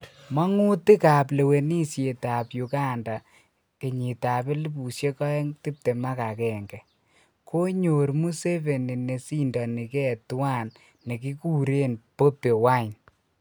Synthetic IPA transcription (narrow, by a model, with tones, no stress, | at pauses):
ma˦ŋu˦ti˦ka˨p̬le˨we˨ni˦sje˨ta˨pju˨ka˦nda˨ | ke˨ɲi˨ta˨pe˦li˦bu˨sje˦kɔ˦ɛ˦ŋti˦p̚te˨ma˦ka˨kɛ˨ŋɡɛ˨ | ko˦ɲo˨ɾmu˦se˦ve˨ni˨ne˨si˦ndɔ˨ni˨kɛ˦˨twa˦nː | e˨ki˦ku˦˨ɾe˦npo˦pe˨wa˦˨n